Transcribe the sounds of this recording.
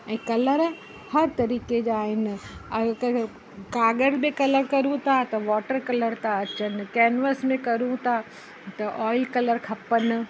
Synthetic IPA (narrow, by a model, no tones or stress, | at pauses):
ɛ̃ːkɐləɾ | hɐɾt̪ɐɾiːked͡ʑaːɦɪnɪ̆ɐ | kaːɡəɾbekɐləɾkɐɾũt̪ʰat̪ɐʋɔːʈəɾkɐləɾt̪ʰaɐt͡ɕənɪ̆kɛːnʋəsmẽkɐɾũt̪ʰa | t̪ɐʔɔːɪlkɐləɾkʰɐpənɪ̆